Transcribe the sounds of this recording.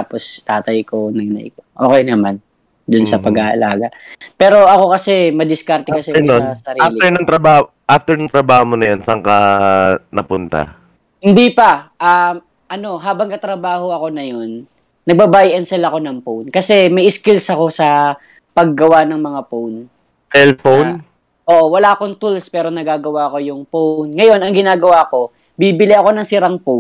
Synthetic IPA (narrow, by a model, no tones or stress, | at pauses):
t̪aːpo̞st̪aːt̪ɐjko̞nɐɡnɐ̰jkoʔo̞ːkɛjnɐman | d̪ʊnsɐpɐɡaʔɐ̰la̰ːɡɐpɛːɾo̞ʔɐko̞kɐsɛmɐd̪ɪskaɾt̪ɛkɐsɛosɐɾialɪɛɹnɐŋt̪ɾɐbaːh | ʔaft̪ɛɹnɐŋt̪ɾɐbaːhomonɐjansɐŋka | nɐpʊnt̪a̰ | hɪnd̪ipɐʔam | ʔɐno̞ɦaːbɐŋkɐt̪ɾɐbaːho̞ɐko̞nɐjo̞nː | ɐɡ̚bɐbaːjʔɛnsɛlɐko̞nɐŋpownkɐsɛmɐjʔɪskɪlsɐko̞sɐ | pɐɡːɐwanɐŋmɐŋapown | sɛlfown | ʔoːʔo̞wɐlaːɐko̞ŋt̪ulspɛːɾo̞nɐɡaːɡɐwaʔɐko̞jʊŋpownŋɐjo̞nɐŋɡɪnaːɡɐwako̞ | bibɪlɪʔɐko̞nɐŋsɪɾɐŋpown